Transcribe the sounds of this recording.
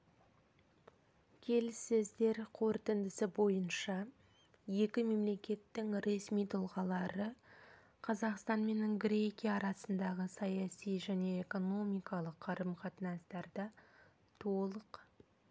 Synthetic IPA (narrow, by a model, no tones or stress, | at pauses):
kʲʰe̞lɪsːɪzd̪e̞ɾqʰoɾt̪ɪnd̪ɪsɪbo̞jənʃɑ | je̞kʲɪme̞mle̞kʲe̞t̪ːɪŋɾe̞smijt̪ʰʊlˠʁɑlˠɑɾə | qʰɑzɑqst̪ɑnme̞nɡɾʲe̞kʲijaɑːɾɑsənd̪ɑʁəsɑjɑsijʒæne̞eko̞no̞mijkɑlˠəqʰːɑɾəmqʰɑt̪ənɑst̪ɑɾd̪ɑ | t̪ʰo̞lˠəq